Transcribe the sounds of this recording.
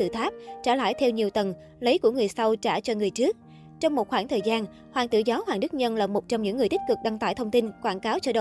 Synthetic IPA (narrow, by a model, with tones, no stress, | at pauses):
t̪ɨ̰˧˨˩t̪ʰaː˦˥p̚t͡ɕaː˧˩la̰ː˧˥jt̪ʰɛ˧wɲi˨˩əwt̪ə˨˩n | lə˨˦jku˧˩əŋɨ˨˩əjsa˧wt͡ɕaː˧˩t͡ɕɔ˧ŋɨ˨˩əjt͡ɕɨ˦˥ək̚ | t͡ɕɔ˧wŋ͡mmo˨˩t̚xwaː˧˩ŋt̪ʰəː˨˩jzaː˧n | hwaː˨˩ŋt̪ɨ̰˧˩zɔ˨˦hwaː˨˩ŋɗɨ˦˥k̚ɲə˧nlaː˨˩mo˨˩t̚t͡ɕɔ˧wŋ͡mɲɨ̰˧˥ŋː˨˩əjt̪i˦˥k̟̚kɨ˨˩k̚ɗa˧ŋt̪a̰ː˧˩jt̪ʰə˧wŋ͡mt̪i˧nkwaː˧˩nkaː˨˦wt͡ɕɔ˧ɗə˧˨